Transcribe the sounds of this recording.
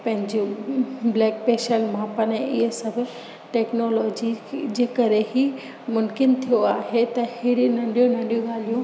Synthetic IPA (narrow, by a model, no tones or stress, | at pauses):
pɐ̃ɦɪ̃ɲd͡ʑoblɛːk̚peːʃəlmãpɐnɪɪɦsɐbʱʊ | ʈeːknoːlɔːd͡ʑid͡ʑeːkɐɾeɦi | mʊmkɪnt̪ʰijoaːɦet̪ɐhɪɽinɐ̃ɖijonɐ̃ɳɗijõɠaːl̤ijũ